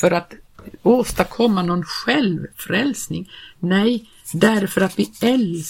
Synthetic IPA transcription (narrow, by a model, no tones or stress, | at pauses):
œɾat̪oːst̪əɾkʰɔmːanɔnɧɛlvfɾɛlsnɪŋnɛj | d̪æɾfœɾat̪vɪɛl